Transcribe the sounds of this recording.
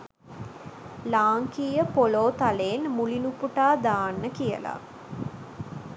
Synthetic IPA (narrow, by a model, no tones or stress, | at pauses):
laːŋkiːjəpoloːt̪aleːnmulinupuʈaːd̪aːnːəkijə̰la̰